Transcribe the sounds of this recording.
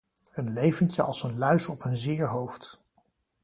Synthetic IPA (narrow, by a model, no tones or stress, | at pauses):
ənlejvəncəɑ̰lˠsənlœɥsɔpənzɪːɹɦowft